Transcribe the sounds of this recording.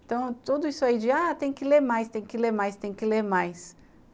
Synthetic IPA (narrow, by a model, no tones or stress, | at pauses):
t̪ɐ̃w̃t̪ud̪ʊisʊaid͡ʒɪat̪ẽj̃kɪleɾmajst̪ẽj̃kɪleɾmajst̪ẽj̃kɪleɾmajs